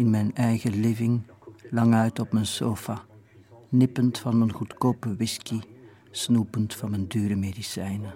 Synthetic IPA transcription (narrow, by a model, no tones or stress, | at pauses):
ɪnmɛjnɛjɣəlɪvɪŋlɑŋœɥtɔpmənsoːfaː | nɪpəntfɑnmənɣutkoːpəwɪski | snupəntfɑnməndyːɾəmeːdisɛjnə